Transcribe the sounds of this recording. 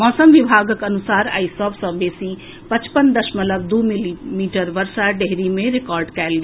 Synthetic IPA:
mɔːsəmʋibʱaːɡəkɐnusaːɾa̰ːisɔbʱsɐ̃beːsi | pət͡ʃpənd̪əʃmələbd̪uːmilimiːʈəɾʋɐɾsaɖeɦɾimẽɾekaːɾɖkɛːlɡ

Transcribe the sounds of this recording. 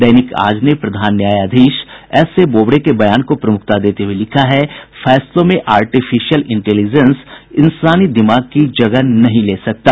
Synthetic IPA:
d̪ɐːnɪka̰ːd͡ʒnepɾɐd̪ʱaːnːjaːjaːd̪ʱiːʃɛːseboːbɽekebɐjaːnkopɾɐmʊk̚ʰt̪ad̪eːt̪eɦuelɪkʰaɦɛfʰɛːslõmẽʔaːɾʈifʰɪʃijəlɪ̃ɳʈɛːlid͡ʒənsɪ̃nsaːnid̪ɪmaːɡ̚kid͡ʒɐɡənɐɦĩleːsɐk̚t̪aː

